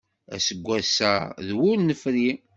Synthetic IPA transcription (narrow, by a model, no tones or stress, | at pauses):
æ̰səɡʷːæsæðwʊlnəfɾi